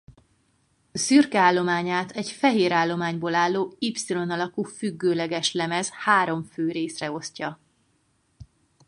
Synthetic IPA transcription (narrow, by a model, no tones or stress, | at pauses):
syrkɛaːlːo̞maːɲaːt̪ʰɛcfɛɦeːɾaːlːo̞maːɲboːlaːlːoːipsilo̞nɒlɒkuːfyɡːøːlɛɡɛʃlɛmɛzhaːɾo̞ɱføːɾeːsrɛo̞scɒ